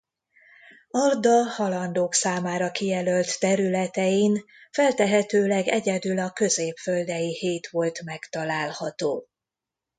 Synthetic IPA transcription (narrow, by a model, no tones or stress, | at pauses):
ɒrd̪ɒhɒlɒnd̪oːksaːmaːɾɒkijɛlølt̪ːɛɾylɛt̪ɛjin | fɛlt̪ɛɦɛt̪øːlɛɡɛɟɛd̪ylɒkø̞zeːpføld̪ɛjiheːt̪ʋo̞lt̪mɛkt̪ɒlaːlhɒt̪oː